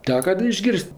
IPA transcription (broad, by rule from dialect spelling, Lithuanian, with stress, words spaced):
ˈtʲæːkɐ dɐ ɪʒʲˈɡʲɪrʲsʲtʲ